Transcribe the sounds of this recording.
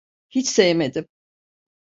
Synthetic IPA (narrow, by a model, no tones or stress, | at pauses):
hit͡ʃsejmed̪ɪm